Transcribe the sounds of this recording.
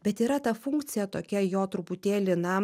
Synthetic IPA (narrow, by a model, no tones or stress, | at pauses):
bʲɛt̪iːɾɐt̪ɐfʊŋkt̪sʲɪjɛt̪oːkʲɛjoːt̪ɾʊpʊt̪ʲeːlʲɪnɐ